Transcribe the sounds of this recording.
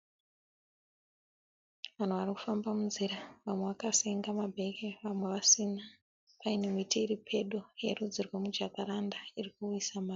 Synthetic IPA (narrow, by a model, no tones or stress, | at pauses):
ʋan̤uʋariku̥fambamunziɾaʋamwe̞ʋakaseŋɡamabʱe̞keʋamwe̞ʋasina | painemitiːripʰe̞ɗojerud͡zirwemud͡ʒakaɾandairikujisamaːri